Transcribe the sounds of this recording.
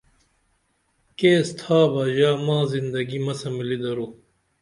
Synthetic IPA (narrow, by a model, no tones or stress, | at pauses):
keːst̪ʰaːbaːʑaːmãːzind̪ɐɡimɐsɐmilid̪ɐɾu